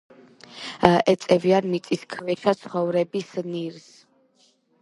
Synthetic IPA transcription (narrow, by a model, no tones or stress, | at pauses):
ɛt̪sʼɛviannit̪sʼiskʰvɛʃat̪sʰχɔvɾɛbisniɾs